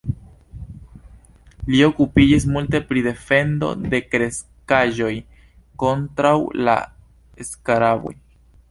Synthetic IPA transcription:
lio̞kupid͡ʒis̬multe̞pɾide̞fe̞ndo̞̰de̞kɾe̞s | kaʒo̞j | ko̞ntɾawla̰ | eskaɾabo̞̰j

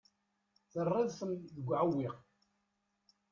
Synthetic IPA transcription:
θərˤːɪðθəmðəɡʷːʕawːiq

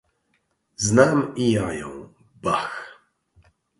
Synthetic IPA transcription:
znamijajɔ̰̃w̃ | bax

